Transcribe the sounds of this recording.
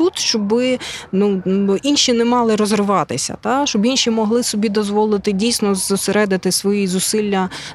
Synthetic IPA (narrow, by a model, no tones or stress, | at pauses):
ut̪ʃt͡ʃɔbɪnuinʃinɛmɑlˠɪɾɔzrɪʋɑt̪ɪsʲɐ̰t̪ɑʃt͡ʃɔbinʃimɔɦlˠɪsɔbʲid̪ɔzʋɔlˠɪt̪ɪdʲijsʲnɔzʊseɾɛd̪ɪt̪ɪsʋɔjizʊsilʲːɐ